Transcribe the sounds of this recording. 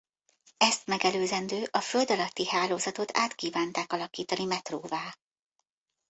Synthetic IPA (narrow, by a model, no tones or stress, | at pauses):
ɛst̪mɛɡɛløːzɛnd̪øːʔɒføld̪ɒlɒt̪ːihaːloːzɒt̪o̞t̪a̰ːt̪kiːvaːnt̪aːkɒlɒkiːt̪ɒnimɛt̪roːvaː